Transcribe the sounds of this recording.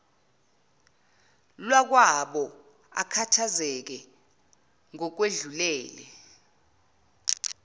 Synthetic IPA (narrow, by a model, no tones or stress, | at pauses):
lwak̬waɓɔ | a̰kʰatʰazɛk̬ɛ | ŋɔk̬weɮulɛːlɛ̰